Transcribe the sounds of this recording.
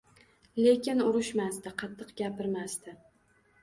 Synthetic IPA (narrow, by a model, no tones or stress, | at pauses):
le̞kʲɪnʊɾɪʃmast̪ɪqʰɑt̪ʰːɨqɡʲapɪɾmast̪ɪ